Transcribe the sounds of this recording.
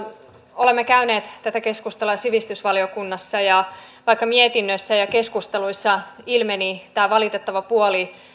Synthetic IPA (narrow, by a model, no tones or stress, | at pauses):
o̞lemːekæyne̞ːt̪t̪ːæt̪æke̞skust̪eluɑsiʋist̪ysʋɑlio̞kunːɑsːɑjɑʋɑikːɑmiet̪inːøsːæjɑke̞skust̪eluisːɑilmenit̪æːʋɑlit̪et̪ːɑʋɑpuoli